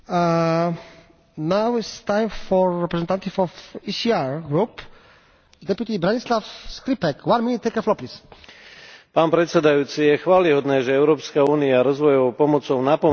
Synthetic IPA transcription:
nawist̪ãjmfɔɹːɛpɾɛzɛnt̪ant̪ifɔfisiaɹɡɾup | d̪ɛpjut̪ibɾaɲislafskɾipɛkʰwanminit̪ːɛkəflɔplis | paːnpɾɛt̪sɛd̪ajuːt͡sijɛxʋaːliɦɔd̪nɛːʒɛɛʊɾɔːpskauːniaɾɔzʋɔjɔʋɔʊpɔmɔt͡sɔʊnapɔ

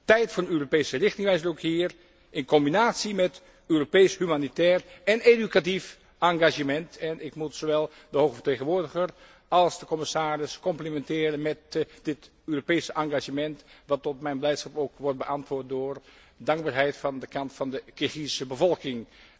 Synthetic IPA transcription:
tɛjtfɔnnøːropejsərɪxtɪŋʋɛjzərowkhiːr | ɪnkɔmbinaːtsimɛt | øːropejshymanitɛːrɛnedykatif | ʔɑŋɡaʒəmɛntɛnʔɪkmutsoʋɛlˠ | dəhoxəfəteːɣənʋʊːɹdəɣər | ɑlˠsdəkɔmɪsaːrɪskɔmplimɛntɪːɾənmɛt̚dɪt | øːropejsəʔɑŋɡaʒəmɛntʋɑtɔtmɛjnblɛjtsχɑpowkʋɔrt̚bəʔɑntʋʊːɹt̚doːɹ | dɑŋɡ̚baːɹɦɛjtfɑndəkʰɑntfɑndəkɪχisəbəvɔlˠkɪŋ

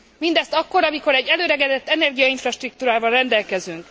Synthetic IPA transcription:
mind̪ɛst̪ɒkːo̞ɾɒmiko̞ɾɛɟːɛløːɾɛɡɛd̪ɛt̪ːɛnɛrɡijɒiɱfrɒʃt̪ruk̚t̪uːɾaːvɒlrɛnd̪ɛlkɛzyŋk

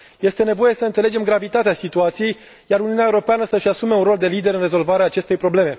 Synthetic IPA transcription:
je̞st̪e̞ne̞vo̞je̞səɨnsele̞d͡ʒe̞mɡɾavit̪at̪easit̪uat̪sije̞j | jaɾuniuuneaeuɾo̞peanəsəʃʲasume̞unɾro̞ld̪e̞lid̪e̞ɾɨnre̞zo̞lvaɾeaːt͡ʃe̞st̪ejpɾo̞ble̞me̞

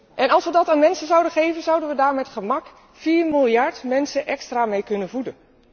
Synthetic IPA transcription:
ʔɛnɑlˠsʋədɑtaːnmɛnsənzʌwdəχejvənzʌwdənʋədaːɹmɛtχəmɑk | fiːɹmɪlˠjɑɹtmɛnsənʔɛkstraːmejkɵnənvudən

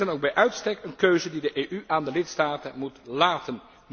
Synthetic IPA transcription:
ənowɡ̚bɛjʔœɥtstɛkənkøɥzədidəʔeːʔyʔaːndəlɪtstaːtənmutlaːtən

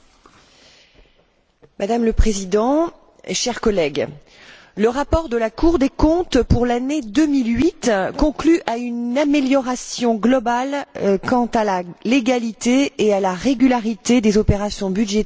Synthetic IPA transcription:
mad̪amləpχezid̪ɑ̃ | eʃɛʁkɔlɛɡ | ləʁapɔʁd̪əlakuʁd̪ekɔ̃t̪puʁlaned̪əmilɥit̪kɔ̃klyʔaynameljɔʁasjɔ̃ɡlɔbalkɑ̃t̪alaleɡalit̪eːalaʁeɡʲylaʁit̪ed̪ezɔpeʁasjɔ̃byd̪ʒet̪

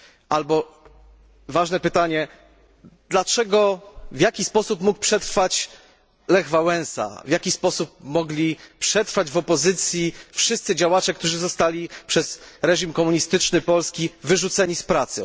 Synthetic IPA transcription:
ʔalbɔ | vaʐnɛpɘt̪aɲɛ | d̪̥lat͡ʂɛɡɔvʲjakʲispɔsupmuk̚pʂɛt̪ɾfat͡ɕ | lɛɣvawɛ̃ñsa̰vʲjakʲispɔsup̚mɔɡlʲipʂɛt̪ɾfad͡ʑvɔpɔzɘt̪sʲjifʂɘst̪sɘd͡ʑawat͡ʂɛk̚t̪uʐɘzɔst̪alʲipʂɛzɾɛʑimkɔmuɲist̪ɘt͡ʂnɘpɔlskʲivɘʐut̪sɛɲispɾat̪sɨ

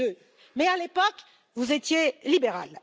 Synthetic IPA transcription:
ø | mɛalepɔk | vuzet̪jelibeʁa̰l

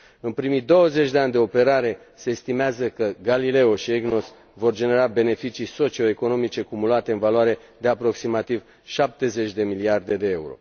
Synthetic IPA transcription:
ɨnpɾimid̪o̞wəze̞t͡ʃʲd̪e̞anʲd̪e̞o̞pe̞ɾaɾe̞ | se̞ːst̪imeazəkəɡalile̞oʃieɡno̞s | vo̞rd͡ʒe̞ne̞ɾabe̞ne̞fit͡ʃiso̞t͡ʃio̞eko̞no̞mit͡ʃekumulat̪e̞ɨnvalwaɾe̞ | d̪e̞apɾo̞ksimat̪iv | ʃap̚t̪e̞ze̞t͡ʃʲd̪e̞miliard̪e̞d̪e̞euɾo̞̰

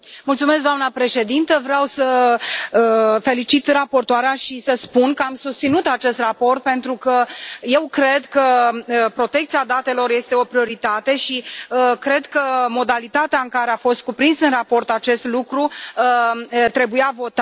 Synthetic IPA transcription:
mult̪sume̞s̬kɡd̪oamnəpɾe̞ʃe̞d̪int̪əvɾeawsə | fe̞lit͡ʃit̪rapo̞rt̪oaɾeaʃisəspunkəamsust̪sinut̪at͡ʃe̞st̪rapo̞rt̪̚pe̞nt̪ɾukəje̞wkɾe̞d̪kəəpɾo̞t̪e̞k̚t̪siad̪at̪e̞lo̞rje̞st̪e̞o̞pɾio̞ɾit̪at̪e̞ʃiəkɾe̞d̪kəmo̞d̪alit̪at̪eaɨŋkaɾeafo̞st̪̚kupɾinsɨnrapo̞rt̪at͡ʃe̞st̪lukɾuət̪ɾe̞bujavo̞t̪a

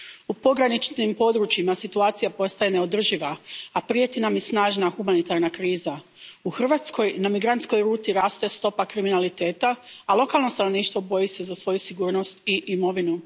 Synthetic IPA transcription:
upo̞ɡɾanit͡ʃnimpo̞d̪ɾut͡ʃimasit̪uaːt̪sijapo̞st̪aje̞ne̞o̞d̪r̩ʒiʋaapɾie̞t̪inamjesnaːʒnaxumanit̪aɾnakɾiːza | uxr̩ʋat̪sko̞jnamiɡɾant̪sko̞jɾuːt̪iɾaːst̪est̪o̞pakɾiminalit̪e̞ːt̪aːlˠo̞kaːlˠno̞st̪ano̞ʋniːʃt̪ʋo̞bo̞jise̞zasʋo̞jusiɡuːɾno̞st̪iʔimo̞ʋinu

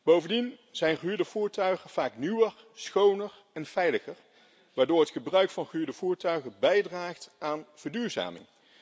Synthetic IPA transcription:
b̥owvəndinz̥ɛjnχyːɹdəvuːɹtœɥχəv̥aːknywər | sχownər | ɛnv̥ɛjləχər | ʋaːɹdoːɹɦətχəbrœɥkfɑnχəyːɹdəv̥uːɹtœɥχəbɛjdraːχtʔaːnv̥əɹdyːɹza̰ːmɪ̰ŋ

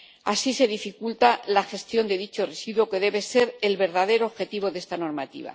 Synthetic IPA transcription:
asise̞ðifikult̪alaxe̞st̪jo̞nd̪e̞ðit͡ʃo̞re̞siðwo̞ke̞ðe̞βe̞se̞ɾe̞lβe̞ɾðaðe̞ɾoːβxe̞t̪iβ̞o̞ðe̞st̪ano̞ɾmat̪ḭβ̞a̰

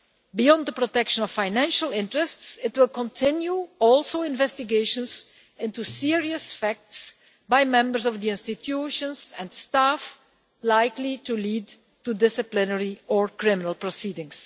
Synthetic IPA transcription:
biɔ̃nd̪ðəpɹotɛkʃə̃nɔvffaɪnæ̃nʃəlˠɪ̃ntɹɨstsɪtwɪlˠkɔ̃ntʰɪ̃njuɔlˠsoʊɪ̃nvɛstɪɡeɪʃə̃nz | ɪ̃ntusɪɹiəsfæk̚ts | baɪmɛ̃mbəɹzɔvðiɪ̃nstɪtʰjuʃə̃nsɛ̃nstaf | laɪklituliːd | tudɪsɨplɪnəɹiɔɹkɹɪmɪnəlˠpɹɔsiːdɪ̃ŋs

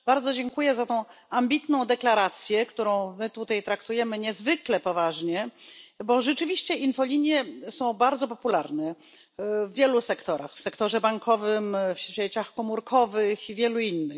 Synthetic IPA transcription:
b̥aɾd̪zɔd͡ʑɛŋkujɛzat̪ɔ̃w̃ambʲit̪nɔ̃w̃d̪ɛklaɾat̪sʲjɛkt̪uɾɔ̃w̃mɘt̪ut̪ajt̪ɾakt̪ujɛmɘɲɛzvɘklɛpɔvaʐɲɛbɔʐɛt͡ʂɘvʲiɕt͡ɕɛʔinfɔlʲiɲjɛsɔ̃w̃baɾd̪zɔpɔpulaɾnɛ | vːʲjɛlusɛkt̪ɔɾa̰xfsɛkt̪ɔʐɛbaŋkʰɔvɘmfɕɛt͡ɕaxkɔmuɾkʰɔvɘxivʲjɛluinːɘ

